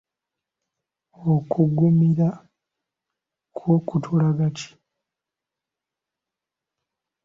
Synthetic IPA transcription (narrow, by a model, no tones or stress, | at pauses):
okʰuɡumiɾa | kʰwokutʰulaɡatʰi̥